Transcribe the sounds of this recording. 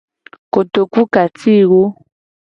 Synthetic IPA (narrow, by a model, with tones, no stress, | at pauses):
ko˨to˨ku˦ka˨tʰi˦˨ɣo˦